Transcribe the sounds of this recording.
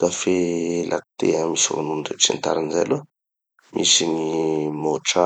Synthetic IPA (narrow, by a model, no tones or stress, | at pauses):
kafelʔa̰kt̪eamiso̰nunɖ͡ʐet͡sint̪a̰ɾinzalu | mʔisinimoʈ͡ʂa